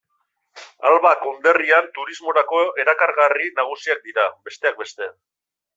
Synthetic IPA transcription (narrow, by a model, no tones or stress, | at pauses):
a̰lβako̞nd̪e̞riant̪uɾizmo̞ɾako̞e̞ɾakaɾɣarinaɣ̞usiak̚d̪iɾabe̞st̪e̞ak̚be̞st̪e̞